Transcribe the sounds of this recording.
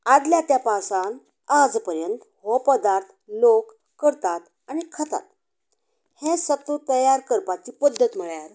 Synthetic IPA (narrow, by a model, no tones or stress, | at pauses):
ad̪ljat̪japasan | ad͡zpəɾjənt̪ | ɦopəd̪aɾt̪ʰlokː | əɾt̪at̪ | anikʰət̪a̰t̪̚ | hẽsət̪ət̪əjaɾkəɾpat͡ɕiːpəd̪ʱːət̪m̤əɭjaɾ